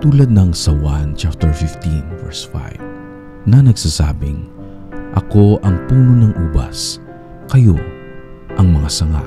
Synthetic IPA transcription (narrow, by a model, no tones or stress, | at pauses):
t̪uːlɐd̪̚nɐŋsɐwant͡ʃap̚t̪ɛɹfɪft̪invɛ̰ɹsfa̰jv | nɐnɐɡsaːsa̰ːbɪŋ | ʔɐko̞ʔɐŋpuːnonɐŋʔuːbɐ̰s | kɐjo | ʔɐŋmɐŋasɐŋa̰